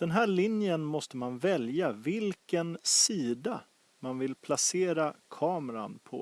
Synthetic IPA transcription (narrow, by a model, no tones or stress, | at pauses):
d̪̥ɛnɦæːɭɪnjənmɔst̪əmanvɛljavɪlkənsiːd̪a | manvɪlpʰlaseːɾakʰɑːməɾanpʰɔ̰